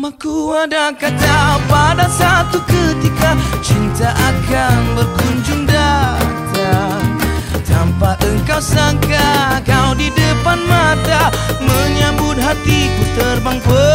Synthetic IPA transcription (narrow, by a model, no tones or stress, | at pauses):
makuadakad͡ʒawpadasat̪ukət̪ikat͡ʃint̪aʔakanbərɡuɲd͡ʒuŋdad͡ʒa | t̪ampaʔəŋkawsaŋkakawdidəpanmat̪aməɲambʊt̪̚ɦat̪ikut̪ərbaŋpə